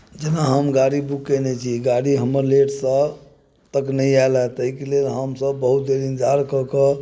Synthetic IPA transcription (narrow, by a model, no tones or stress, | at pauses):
d͡ʒenaɦəmɡaɽibukːenɛt͡ʃʰiɡaɽiɦəməɾleʈsə̃ | t̪əknəiaelat̪əɦikelelɦəmsəbːəɦut̪̚d̪eɾind͡ʒʱaɾkəkə